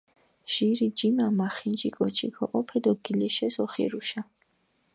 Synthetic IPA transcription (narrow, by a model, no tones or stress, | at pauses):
ʒ̥iɾid͡ʒimamaχind͡ʒikʼɔt͡ʃʰikʰɔʔɔpʰɛd̪ɔɡilɛʃɛsɔχḭɾuʃa